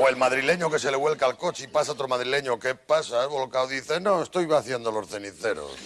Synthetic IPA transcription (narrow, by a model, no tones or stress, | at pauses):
oe̞lmaðɾile̞ɲoke̞se̞leɣwe̞lkalko̞t͡ʃipasaot̪ɾomaðɾile̞ɲokepasaeβo̞lkawðiθenõest̪o̞jβaθjend̪olo̞sθe̞niθe̞ɾo̰s